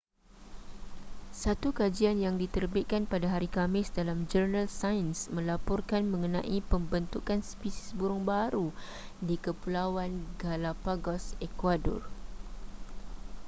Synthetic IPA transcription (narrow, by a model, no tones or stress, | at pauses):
sat̪ukad͡ʒianjaŋdit̪ərbɪt̪̚kanpadaɦaɾikamɪsdalamd͡ʒərnalsansmə̃lapɔrkanmə̃ŋənã̰ʔipəmbənt̪ukanspisɪ̥sbuɾʊŋbaɾu | dikəpulawanɡalapaɡɔsɛkwadɔ̰r